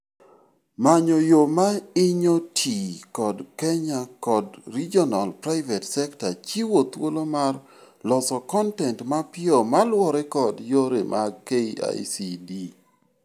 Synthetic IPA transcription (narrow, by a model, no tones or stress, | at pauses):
maɲojomaɪɲotʰikɔdkɛɲakɔdɾid͡ʒɔnalpɾaɪvɛtsɛktat͡ʃiwot̪wolomar | lɔsɔkɔntɛntmapɪomalwɔɾɛkɔdjoɾemʔakea̰jsidi